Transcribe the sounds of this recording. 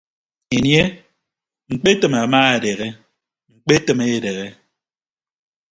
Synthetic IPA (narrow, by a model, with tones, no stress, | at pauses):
e˨nje˦ | ŋ͡m̩˨k͡pe˦tɨ˨ma˨ma˦e˨de˨ɣe˦ | ŋ͡m̩˨k͡pe˦tɨ˨me˦e˨de˨ɣe˦